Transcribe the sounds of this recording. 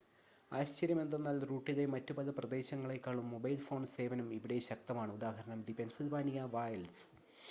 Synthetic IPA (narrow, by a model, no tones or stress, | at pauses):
aːɕt͡ɕɐɾjɐme̞nd̪e̞nːaːlruːʈːiðemɐtːubɐðɐprɐd̪e̞ːɕɐŋːɐɭe̞kːaːɭumːo̞bɐjlfo̞ːɳse̞ːʋɐnumiʋiɽe̞ɕɐk̚t̪ɐmaːɳɨud̪aːɦɐɾɐɳɐmɖipensilʋaːnijɐʋaːjɐls